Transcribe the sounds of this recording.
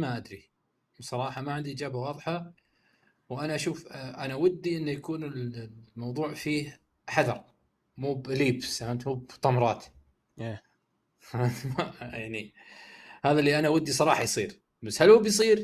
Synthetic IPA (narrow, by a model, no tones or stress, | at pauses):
maʔad̪ɾi | bsˤɑɾˤɑːħɑmaʕɪnd̪iʔɪd͡ʒaːbawɑːðˤħɑ | wʔanaʔaʃuːfʔanawɪd̪ːiʔɪnːajakuːnɪlmɑwðˤuːʕfiːh | ħaðɑɾˤ | muːbliːbsahamt̪muːbt̪ˤɑmɾˤɑːt̪ | e | amajaʕni | haːðalːiʔanawad̪ːisˤɑɾˤɑːħɑjsˤiːɾ | basːhalhubjs̬ˤiːɾ